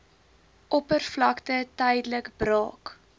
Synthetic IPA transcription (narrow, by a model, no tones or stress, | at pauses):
ʔɔpərflɐktətəjdələkbɾɑːk